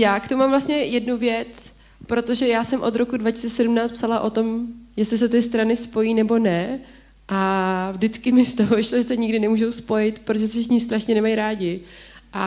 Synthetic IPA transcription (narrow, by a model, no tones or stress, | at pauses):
jaːkt̪omumamvlast̪ɲɛjɛdnuvjɛt͡s | pɾo̞t̪o̞ʒɛjaːsɛmʔo̞t̪ɾo̞kudvacɪsi̥t͡sɛsɛdumnaːt͡st̪psalaʔo̞t̪o̞mjɛslɪs̬ɛt̪ɪst̪ɾanɪspo̞jiːnɛbo̞nɛ | ʔavdɪt͡skɪmɪst̪oɦovɪʃloʒɛsɛɲɪɡdɪnɛmuːʒo̞wspo̞jɪt̪pɾot̪oʒɛs̬ɛfʃɪkɲɪs̬t̪ɾaʃɲɛnɛmajɾaːɟɪʔa